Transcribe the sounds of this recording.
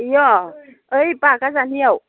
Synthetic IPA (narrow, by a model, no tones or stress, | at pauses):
jɔ | əjpakazaniəw